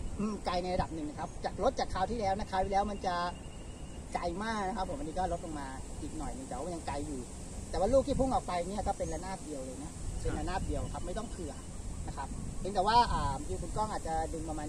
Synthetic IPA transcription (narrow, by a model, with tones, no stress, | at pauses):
ʔɯː˧mka˧jna˧jɾa˧da˨˩p̚nɯ˨ŋna˦˧kʰa˦˥p̚t͡ɕaː˨˩k̚lo˦˥t̪̚t͡ɕaː˨˩kʰːaː˧˥wt̪ʰiː˥˩lɛː˦˥wna˧˥˩kʰaː˦˥wt̪iː˥˩ɛː˦˥wma˧nt͡ɕa˨˩ | kla˧jmaː˥˩k̚na˦˥kʰa˦˥pʰːo˨˦mʔa˧niː˦˥kɔː˥˩ɾo˦˥o˨˧ŋmaː˧ʔiː˨˩k̚nɔ˨˩jnɯ˨˧˦t̪ɛː˨˩wːm˧˨˧ja˧ŋkla˧jːuː˨˩ | t̪ɛ˨˩waː˥luː˥˩k̪̚ʰiː˥pʰu˥˩ŋʔɔː˨˩k̚pa˧jni˥˩ɐkɔː˥˩pe˧nla˧˥naː˥˩p̚di˧əwlɤː˧jna˦˥se˧nla˧naː˥˩p̚di˧əwkʰa˦˥p̚ma˥˩jt̪ɔ˥˩ŋkʰɯ˨˩ɐ | na˦˥kʰa˦˥p̚hʰe˦nt̪ɛː˨˩waː˥˩ʔaː˨˩mjiː˧˩kʰu˧nkɔː˥˩ŋʔaː˨˩t̪̚t͡ɕa˨˩dɯ˧npa˧maː˧n